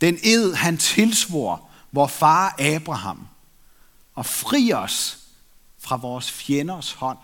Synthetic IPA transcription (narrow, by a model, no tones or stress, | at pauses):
d̥ene̝ð̰ˠhænt͡sʰe̝lsʋo̝ɐ̰ | ʋɒːfɑ̈ːʔɛːb̥ʁɑ̈hɑ̈m̰ | ɒ̽fʁḭːɒ̽s | fʁɑ̈ʋɒːsfjenɐshɒ̽n̰